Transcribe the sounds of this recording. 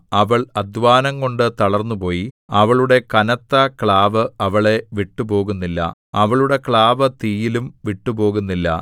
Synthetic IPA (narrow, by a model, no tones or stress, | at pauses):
ɐʋɐɭɐd̪ʱʋaːnɐŋko̞ɳɖɨt̪ɐɭɐrnːupo̞ːji | ɐʋɐɭuɽe̞kɐnɐt̪ːɐkɭaːʋɨɐʋɐɭe̞ʋiʈːupo̞ːɣunːilːɐ̰ɐʋɐɭuɽe̞kɭaːʋɐt̪iːjilumʋiʈːupo̞ːɣunːilːɐ̰